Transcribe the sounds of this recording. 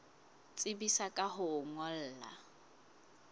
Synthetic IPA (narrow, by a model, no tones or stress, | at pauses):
t͡sʼɪbisakʼaɦʊŋɔl̩ːla̰